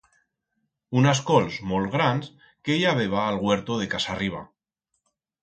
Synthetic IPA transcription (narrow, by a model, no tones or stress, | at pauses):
unas̬kolzmolɣɾans | keʎaβ̞eβ̞aːlɣwe̞ɾt̪oð̞e̞kasariβ̞a̰